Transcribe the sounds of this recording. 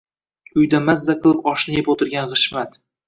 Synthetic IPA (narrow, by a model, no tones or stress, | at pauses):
ʊjd̪amazːaqʰɨlˠɪpɒʃnɪjepot̪ʰɪɾɡʲanχɨʃmat̪